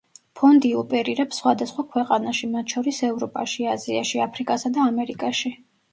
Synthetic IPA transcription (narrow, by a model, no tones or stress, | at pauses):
pʰɔnd̪iɔpʼɛɾiɾɛpsχwad̪asχwakʰwɛqʼanaʃimat̪ʰʃɔɾisɛvɾɔpʼaʃiazia̰ʃiapʰɾikʼasad̪aːmɛɾikʼaʃi